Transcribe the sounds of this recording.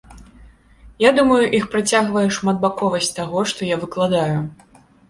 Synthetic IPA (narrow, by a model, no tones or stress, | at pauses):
jad̪umɐjuʔixpɾat͡sʲaɣvɐjɛʂmad̪̚bakɔvɐsʲt͡sʲt̪aɣɔʂt̪ɔjavɨklˠad̪aju